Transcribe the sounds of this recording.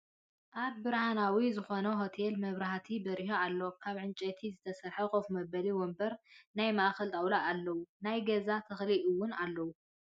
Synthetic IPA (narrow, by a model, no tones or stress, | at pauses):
ʔad̪̚bɨɾhanawizɨxo̞nɐɦo̞t̪ʰelmɐβɾaht̪ʰibɐɾihoalːokʰaβʕɨnt͡ʃʼɐt̪ʰizɨt̪ʰɐsɐɾħɐkʼofmɐbɐliwɔmbɐɾnajmaʔxɐlt̪ʼɐwlaʔalːɐwunajɡɐzat̪ʰɐxliʔɨwːʊnalːɐwu